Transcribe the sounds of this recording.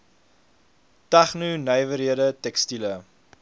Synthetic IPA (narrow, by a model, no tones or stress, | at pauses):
tɐχnunəjvəɾiəɾətɛkstilə